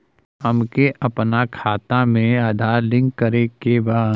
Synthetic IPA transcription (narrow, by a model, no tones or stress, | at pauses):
ɦɐmkeʔɐpnakʰaːt̪amẽad̪ʱaːlɪ̃ŋɡkːəɾekebaː